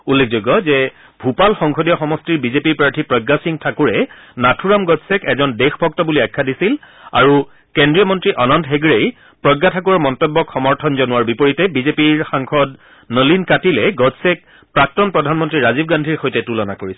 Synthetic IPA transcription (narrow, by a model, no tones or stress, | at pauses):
ulːek̚ʰzoɡɔzɛ | bʱupalxɔŋxʰodijɔxɔmɔstiɹbizepiɹpɹaɹtʰipɹɔɡːasiŋtʰakuɹɛ | natʰuɹamɡɔd͡ʒsɛkɛzɔndexbʱɔk̚tɔbuliajkʰːadisil | a̰ɹu | kendɹijɔmɔntɹiʔɔnɔntɦeɡɹej | pɹɔɡːatʰak̬uɹɔɹmɔntɔbːɔkxɔmɔɹtʰɔnzɔnʊwaɹbipoɹitɛbizepiɹxaŋkʰɔd | nəlinkatilɛɡɔd͡ʒsɛk̚ | pɹak̚tɔnpɹɔdʱanmɔntɹiɹazib̚ɡandʱiɹxojtɛtulɔna̰koɹisɛ